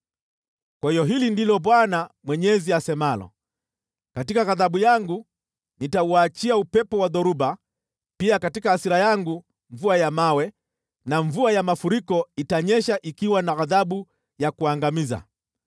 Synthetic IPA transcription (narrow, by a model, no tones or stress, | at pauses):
kwahijɔɦilindilɔɓwanamwɛɲɛziasɛmalɔ̰ | katikaɣaðaɓujaŋɡu | nitauat͡ʃiaupɛpɔwaðɔɾuba | piakatikahasiɾajaŋɡu | ɱvuajamawɛ | naɱvuajamafuɾikɔitaɲɛʃaʔikiwanaɣaðaɓu | jakuaŋɡamiza̰